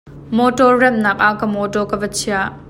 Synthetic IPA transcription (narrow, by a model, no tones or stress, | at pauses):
mɔtɔrːɛmnɐk̚ʔaʔkɐmɔtɔkɐvɐt͡sʰiaʔ